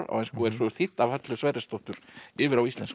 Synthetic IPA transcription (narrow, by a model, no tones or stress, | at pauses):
ɾa̰wɛnskɔɛɾ̥sɔ̥θiht̪ːavhat̪lʏsvaːjɾɪst̪ɔht̪ʏɾ̥ɪːvɪɾawist̪ɛns